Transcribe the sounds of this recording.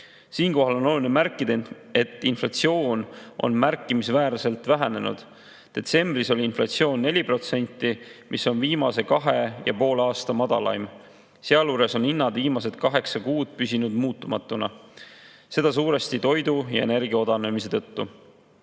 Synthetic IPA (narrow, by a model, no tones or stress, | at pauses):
siːnko̞ɦɑlo̞nolulinemærkːˑid̪̥ɑ | e̞t̪ˑːinflɑt̪sio̞ːnʔo̞̰nmærkˑːimisvæːɾse̞lt̪væɦæne̞nṵd̪̥ | t̪e̞t̪se̞mbriso̞lʲiinflɑt̪sio̞ːnːe̞lʲipro̞t̪se̞nʲt̪ːˑimʔiso̞nviːmɑse̞kɑɦe̞jɑ̰po̞ːlɑːst̪ɑmɑd̪̥ɑ̰lɑ̰jm | seɑluːɾe̞so̞ninːɑd̪viːmɑse̞t̪kɑɦe̞ksɑkuːd̪̥̚pysʲinud̪̥muːt̪ːˑumɑt̪ːˑunɑ̰ | se̞d̪̥ɑs̬uːɾe̞st̪it̪o̞jd̪ujɑ̰e̞ne̞rɡ̥io̞d̪ɑne̞mise̞t̪ɤ̞t̪ːu